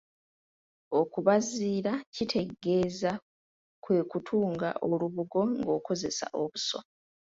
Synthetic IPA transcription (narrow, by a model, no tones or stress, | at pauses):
o̞kuβaziːɾacitʰe̞ɡe̞ːza | kwe̞ːkutʰuːŋɡa̰ʔo̞luβuɡo̞ŋɡo̞ːko̞ze̞sa̰ʔo̞βuso̰